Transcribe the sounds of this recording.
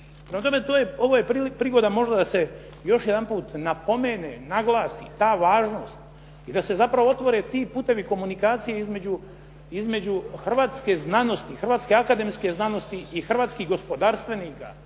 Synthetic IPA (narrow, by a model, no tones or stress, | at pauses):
pɾemat̪o̞me̞t̪oːjeo̞ʋoːjepipɾiːɡo̞d̪amo̞ʒd̪ad̪ase̞ | jo̞ʃjed̪anpuːt̪napo̞meːnenaɡlˠaːsḭt̪aːʋaːʒno̞st̪ | id̪ase̞zapɾaʋoo̞t̪ʋo̞ɾe̞t̪iːpuːt̪e̞ʋiko̞munikaːt̪sijeizme̞d͡ʑu | izme̞d͡ʑuxr̩ʋaːt̪ske̞znano̞st̪ixr̩ʋaːt̪skeakad̪e̞mske̞znano̞st̪iixr̩ʋaːt̪skiɦɡo̞spo̞d̪aːɾst̪ʋe̞niːka̰